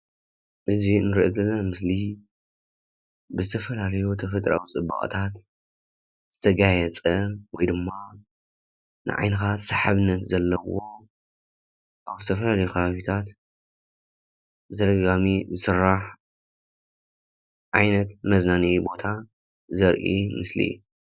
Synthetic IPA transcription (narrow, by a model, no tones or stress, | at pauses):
ʔɨzinɨɾiʔozɐlːɐnamɨsli | bɨzɨt̪ʰɐfɐlalɐjot̪ʰɐfɐt̪ʼɾa̰wit͡sʼɨbɐ̰kʼt̪ʰat̪ | z̥ɨt̪ʰɐɡajɛt͡sʼɐwɔjd̪ɨmːa | nɨ̰ʕa̰jnɨxasaħaβɨnːɐt̪zɐlːɐwo̞ | ʔaβzɨt̪ʰɐfɐlalɐjuxʰɐβaβit̪ʰat̪ | bɨt̪ʰɐd̪ɐɡɡamizɨsɨɾːaħ | ʕajnɐt̪mɐznanibo̞t̪ʰa | zɐɾʔḭmɨslḭ